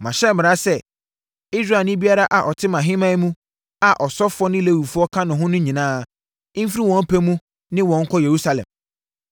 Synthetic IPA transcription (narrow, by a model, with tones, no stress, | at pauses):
mã˨ɕɛ˦mɪ̃˨ɾa˦sɛ˦ | i˦s̬ɾa˨nɪ̃˦bi˦a˦ɾa˦ʔa˨ʔɔ˨tʰɪ˦mã˨ɦɪ̃˦mã˦mũ˦ | a˨ʔɔ˨sɔ˦fɔ˦nɪ̃˦le˦wu˨fu˦ɔ˦kʰã˦nʊ̃˨ɦʊ̃˦nʊ̃˦ɲĩ˨nãː˦˨ | ɪ̃˦m̩˦fi˦ɾi˦wɔ̃˦m̩˦pʰæ˦mũ˦ | nɪ̃˦wɔ̃˨˦ŋ̩˦kʰɔ˦je˨ɾu˦sa˨lɛ̰̃˨m